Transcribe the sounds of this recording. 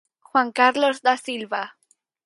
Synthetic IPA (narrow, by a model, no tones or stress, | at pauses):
xwaŋkaɾlozd̪asilβa